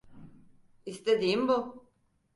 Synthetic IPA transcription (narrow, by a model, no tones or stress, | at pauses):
ist̪ed̪iːmbu